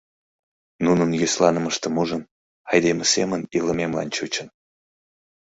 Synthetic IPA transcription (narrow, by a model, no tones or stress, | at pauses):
nunənjyslɑnə̆məʃt̪ə̆muʒən | ɑjd̪eməseməniləmemlɑ̰nt͡ɕut͡ɕən